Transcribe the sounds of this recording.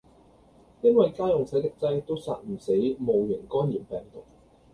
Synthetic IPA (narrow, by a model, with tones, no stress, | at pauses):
jɐ˥nwɐ˨jkaː˥jʊ˨ŋsɐ˨˥jt̪ɪ˨k̚t͡sɐ˧˥jt̪o˥wsa̰ː˧t̚m̩˨˩se˨˥jmo˨wjy˨˩nkɔː˥njiː˨˩mpɛː˨˩ŋt̪ʊ˨k̚